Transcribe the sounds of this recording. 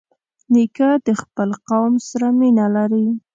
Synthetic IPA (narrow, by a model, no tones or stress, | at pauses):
nikad̪əxpəlqawmsaɾaminalaɾi